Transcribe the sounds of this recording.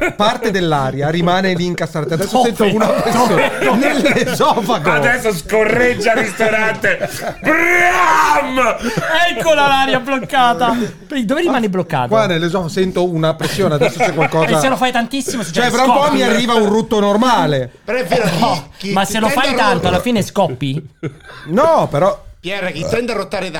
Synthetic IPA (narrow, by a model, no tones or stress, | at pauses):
part̪ed̪elːaɾjaɾimaːneliːŋkast̪ɾaːt̪ead̪ɛsːoɛnt̪ounapɾesːjonelːezɔːfaɡoad̪ɛsːoskorːed͡ʒːaist̪oɾant̪ebɾamɛkːolalaɾjablokːaːt̪aped̪oːveɾimaːneblokːa̰ːt̪kwanelezɔsɛnt̪ounapɾesːjoːnead̪ɛɛsːot͡ʃɛkwalkɔːasselofajt̪ant̪isːimoset͡ʃɛpɾaumpɔmːiarːiːvaunrut̪ːonormaːlepeɾɔɛveːɾmasːelofaj̪ant̪oalːafiːneskɔpːi | nɔpeɾɔpjɛɾakit̪ːɛnt̪aɾot̪ːaːɾed̪